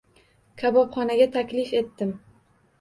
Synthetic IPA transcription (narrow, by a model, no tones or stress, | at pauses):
kʲʰabɒpχɒnaɡʲat̪ʰakʲlɪfe̞t̪ːɪm